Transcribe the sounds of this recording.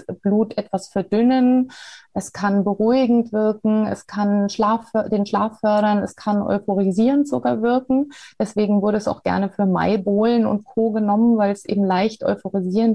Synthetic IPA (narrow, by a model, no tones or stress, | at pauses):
b̥luːtʔɛtv̥asfɛɐdʏnənʔɛskʰanbəʁuɪɡŋ̩tv̥ɪɐkŋ̩ɛ̰skʰanʃlaːfdeːnʃlaːfœɐɾɐnɛskʰanʔɔ̰ʏfoʁ̞iziːʁəntz̥oɡaːɐvɪɐkŋ̩d̥ɛsv̥eːɡŋ̩vʊɐɾəɛsa̰ʊxɡ̥ɛ̰ɐnəfyːɐma̰ɪboːlənʊ̰ntkʰoːɡənɔmənvaɪlɛsʔḛːbm̩laɪçtʔɔ̰ʏfoʁiziːʁənt